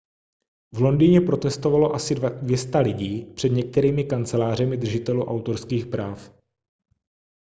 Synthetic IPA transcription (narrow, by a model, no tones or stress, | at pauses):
vlo̞ndiɲɛpɾo̞t̪ɛst̪o̞valo̞ʔasɪdvjɛst̪alɪɟiːpr̥ɛd̪ɲɛk̚t̪ɛɾiːmɪkant͡sɛlaːr̝ɛmɪd̪r̩ʒɪt̪ɛluʔawt̪o̞ɾskiːxpɾaːf